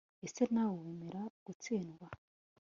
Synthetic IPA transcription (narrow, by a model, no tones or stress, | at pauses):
esenawowemeɾaɡ̥ut͡siːnɡwa